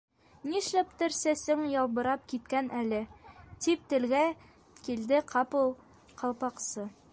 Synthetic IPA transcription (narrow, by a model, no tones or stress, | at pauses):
niʃlæpt̪ɘ̆ɾsæsɘŋjɒlˠbɤ̆ɾɑp̚kit̪kænʔælɘt̪ip̚t̪ɘ̆lɡæ | kild̪ɘqʰɑpɤlˠ | qɑlˠpɑqsɤ